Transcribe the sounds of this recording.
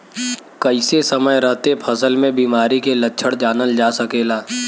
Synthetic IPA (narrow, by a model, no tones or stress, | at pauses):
kɐɪsesəməjɾəɦt̪epʰɐsəlmẽbiːmaːɾikelɐtːʃʰəɽd͡ʒaːnəld͡ʒaːsɐkeːlaː